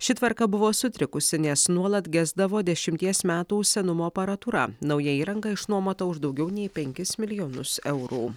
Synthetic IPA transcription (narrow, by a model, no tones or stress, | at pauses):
ʃʲɪt̪ʋɐɾkɐbʊʋoːsʊt̪ʲɾʲɪkʊsʲɪnʲɛsnuɔlˠɐt̪ɡʲæːzd̪ɐʋoːd̪ʲɛʃʲɪmʲt̪ʲiɛsmʲæːt̪uːʃʲsʲɛnʊmoːɐpɐɾɐt̪uːɾɐ̰nɒʊjɛiːɾɐŋɡɐɪʃnuɔmɐt̪oːʊʒd̪ɒʊɡʲɛʊnʲɛɪpʲɛŋʲkʲɪsmʲɪlʲɪjoːnʊsɛʊɾuː